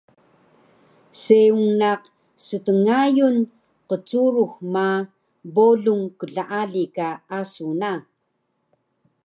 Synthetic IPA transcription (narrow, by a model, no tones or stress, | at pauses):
seuŋnaq | sutəŋajun | qət͡suɾuxma | boɮuŋkəɮaʔaɮikaasuna